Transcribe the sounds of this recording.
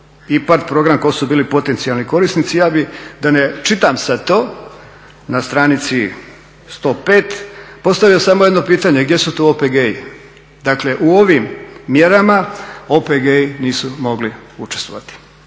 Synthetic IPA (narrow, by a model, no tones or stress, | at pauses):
ipat̪pɾo̞ɡɾamko̞subiːlipo̞t̪e̞nt̪sialˠniko̞ɾisnit̪sijaːbid̪anet͡ʃit̪amsat̪o̞ː | nast̪ɾaːnit̪si | st̪o̞ːpeːt̪po̞st̪aʋijosamoje̞d̪no̞piːt̪aɲe̞ɡd̪je̞sut̪oopeɡei | d̪akle̞ʔuoʋimːje̞ɾamaopeɡeiniːsumo̞ɡliut͡ʃest̪ʋo̞̰ʋat̪i̥